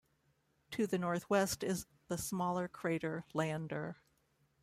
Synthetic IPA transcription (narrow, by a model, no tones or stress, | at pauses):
tʰɨðɨnɔɹθwɛstɪz | ðəsmɔlˠə˞kʰɹ̥eɪɾə˞læ̃ndə˞